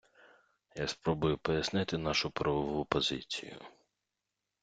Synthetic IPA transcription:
jaspɾɔbʊjʊpɔjɐsnɪt̪ɪnɑʃʊpɾɐʋɔʋupɔzɪ̰t͡sʲḭjʊ̰

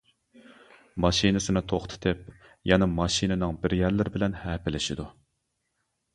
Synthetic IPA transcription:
mɑʃinɨsɨnɨt̪ʰoχt̪ʰɨ̥t̪ʰɪp̚jɑnɨmɑʃinɨnɨŋbɪɾjæɾlɪɾɪbɪlɛnhɛːpɪlɪʃid̪u

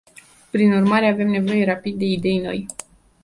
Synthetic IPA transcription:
pɾinurmaɾe̞ave̞mne̞vo̞je̞ɾapid̪̚ːe̞id̪e̞jno̞̰j

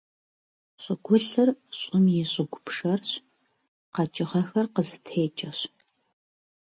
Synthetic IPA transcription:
ɕʷʼɪɡʷʊɬɨrɕʼʊmjɪɕʼɪɡʷʊpʂɐrɕ | qɑt͡ʃʼɪʁɐxɐrqəzɨtʰeːt͡ʃʼɐɕ

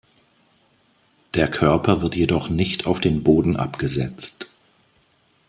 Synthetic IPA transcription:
d̥eːɐkʰœɐpʰɐvɪɐtjedɔχnɪçtʰaʊfd̥eːnboːdn̩ʔa̰pɡ̥əzɛt͡st

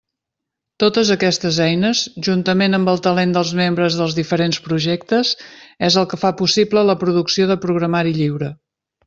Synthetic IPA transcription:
t̪ot̪əzəkɛst̪əzɛjnəzʒunt̪əmenəmbəlˠt̪əlend̪əlˠzmembɾəzðəlˠzðifəɾenspɾuʒɛkt̪əzɛzəlˠkəfapusiplələpɾuðuksioðəpɾuɣɾəmaɾiʎiwɾə

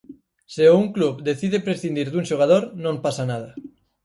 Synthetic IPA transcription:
seouŋkluβd̪eθiðepɾesθind̪iɾðuŋʃoɣ̞að̞oɾnõmpasanað̞a

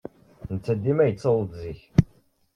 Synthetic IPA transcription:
nət͡sːæd̪ːimæjət͡sːəlˤəd̪ziç

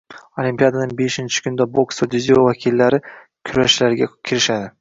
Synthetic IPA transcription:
olimpijad̪anɪŋbeʃɪnt͡ʃʰɪ̥kʲʰʊnɪd̪aboksod̪ɪziovakʲʰilːaɾɪ | kʲʰʊɾaʃlaɾɪɡʲakʲʰɪɾɪʃad̪ɪ

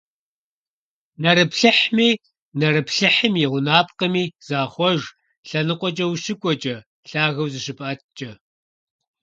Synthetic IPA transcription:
nɐɾɨpɬɨħmiː | nɐrɨpɬɨħəmjɪʁʷʊnaːpqəmiːz̥aːχʷɔʒ | ɬɐnɨqʷʼɔt͡ʃʼɐwʃɪkʷʼɔt͡ʃʼɐ | ɬaːɣɐwzɨʃɨpʼʔɐt̚ʰt͡ʃʼɐ

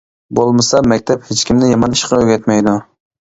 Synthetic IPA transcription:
bolˠmɨsɑmɛkʲt̪ʰɛphet͡ʃkʲimnɪjɑmɑniʃqɑøɡʲɛt̪mɛjd̪u

